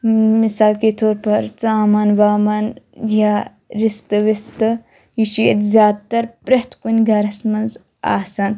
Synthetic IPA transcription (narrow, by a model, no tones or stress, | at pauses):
misaːlket̪ʰoːɾpɐɾt͡saːmɐnʋaːmɐnja | ɾist̪ɨʋist̪ɨ | jiʃiḛt̪zʲjaːd̪̚t̪ɐɾpɾɐht̪ʰkunʲɡʱɐɾɐsmɐnz | a̰ːsɐn